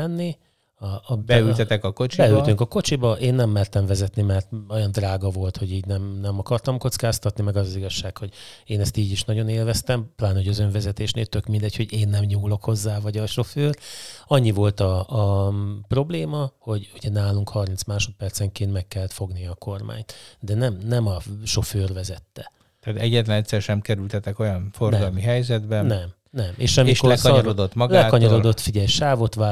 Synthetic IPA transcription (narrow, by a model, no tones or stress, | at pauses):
ɛnːi | ɒbɛylt̪ɛt̪ɛkɒkot͡ʃibɛylt̪yŋkɒko̞t͡ʃibɒʔeːnːɛmːɛrt̪ɛɱvɛzɛt̪nimɛrt̪o̞jɒnd̪raːɡɒvo̞lt̪ho̞ɟiːɟnɛmnɛmɒkɒrt̪ɒmko̞t̪skaːst̪ɒt̪nimɛɡɒzɒziɡɒʃːaːkho̞ɟeːnɛst̪iːɟiʃnɒɟo̞neːlvɛst̪ɛmplaːnoɟøzø̞ɱvɛzɛt̪eːʃneːlt̪ø̞kmind̪ɛcho̞ɟeːnːɛmɲuːlo̞kho̞zːaːvɒɟɒʃo̞føːrɒɲːivo̞lt̪ɒː | pro̞bleːmɒho̞ɟuɟɛnaːluŋkhɒrmint̪smaːʃo̞t̪̚pɛrt̪sɛŋkeːnt̪mɛkːɛlːɛt̪fo̞ɡnijɒːko̞rma̰ːɲt̪d̪ɛnɛmnɛmɒʃo̞føːrvɛzɛt̪ːɛ | t̪aːt̪ɛɟːɛt̪lɛnɛt̪ʲsɛrʃɛmkɛɾylt̪ɛt̪ɛko̞jɒnforɡɒlmiɦɛjzɛd̪bɛnnɛm | nɛmʔeːʃɒmiʃkoɛkɒɔɾod̪ot̪mɒɡlɛkɒɲɒɾo̞d̪o̞t̪fiɟɛlʃaːvo̞t̪ʋaː